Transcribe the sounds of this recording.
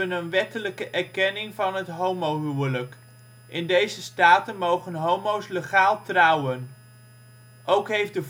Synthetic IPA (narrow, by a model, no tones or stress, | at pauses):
ənənʋɛtələkəʔɛɹkɛnɪŋvɑnɦətɦowmowɦywələk | ʔɪndejzəstaːtənmowχənɦowmowsleχaːlˠtrʌwən | ʔowkɦejfdəv